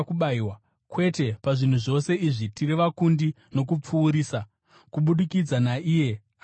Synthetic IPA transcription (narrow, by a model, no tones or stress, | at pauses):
kuɓaiwa | kwe̞te̞paʐin̤uʐo̞se̞iʐitiriʋakundi | no̞k̬up͡fuːɾiːsa | kuɓuɗikid͡zanaʔiːje̞